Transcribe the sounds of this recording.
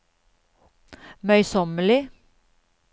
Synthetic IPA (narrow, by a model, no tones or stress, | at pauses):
mœʏsɔməlɪ